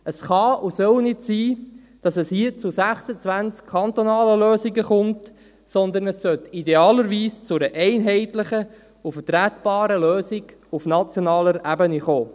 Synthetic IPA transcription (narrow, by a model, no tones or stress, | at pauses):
əsχɑusœwnɪtsiː | d̥ɑsɛshiət͡sʊsæχsət͡sʋænt͡skʰːɑnt̪onɑːləløːsiɡəχʊmt | sɔnd̪ənəsːœt̪ideɑːləɾʋiːst͡sʊɾəʔɛɪnɦɛɪtləχə | ufətɾætb̥ɑːɾəløːsɪɡ̥ | ufnɑt͡sjonɑːləɾæbəniχoː